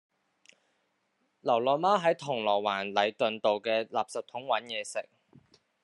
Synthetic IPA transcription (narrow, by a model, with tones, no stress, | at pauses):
lɐ˨˩wlɔː˨maː˥ɦɐ˨˥jt̪ʰʊ˨˩ŋlɔː˨˩waː˨˩nlɐ˨˧jt̪ɵ˨nt̪o˨wkɛː˧laː˨p̚sɐ˨p̚t̪ʰʊ˨˥ŋwɐ˨˥njɛː˨˧sɪ˨k̚